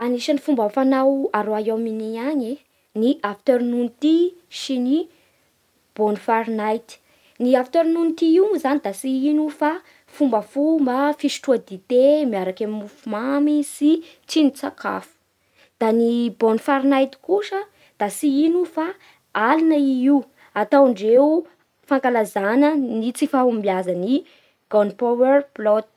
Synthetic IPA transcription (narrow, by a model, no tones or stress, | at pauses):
aniʃanifumbafanawaɾoajaminiaɲi | niʔafi̥t̪eɾinunit̪isini | b̥onifaɾinajt̪i̥ | niafit̪eɾnunit̪iiwmuzanid̪asiinufa | fumbəfumbafisi̥ʈ͡ʂuad̪it̪emiaɾakamimufumamisi | t͡sinit͡sakʰa̰fu̥ | d̪̥anibonifaɾnajt̪i̥kuʂə | d̪̥asiinufa | alinəiiw | at̪awɳɖ͡ʐewu | faŋkalazanənit͡sifaumbiazani | ɡ̥onpawɛrplɔt̪